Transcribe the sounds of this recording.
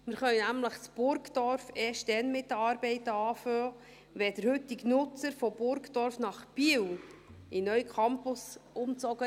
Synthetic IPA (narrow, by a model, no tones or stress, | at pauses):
mɪɾχœnnæmləχt͡sb̥ʊɾkd̥ɔɾfɛːʃtdɛnmɪt̚dəɑɾbɛɪtəɑːføː | ʋɛd̥əɾhʏtːɪknʊt͡səɾfob̥ʊɾkdɔɾfnɑχb̥iwinœɥkʰɑmpʊsʊmt͡sɔɡ̥ə